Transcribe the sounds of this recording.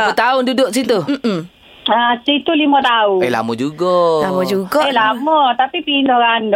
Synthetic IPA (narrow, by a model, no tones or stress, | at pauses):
ut̪aʊndudʊʔsit̪u | asit̪ulimɔt̪aunela̰mɔd͡ʒuɡɔlamɔd͡ʒuɡɔlamɔt̪apipinɔɣandɔ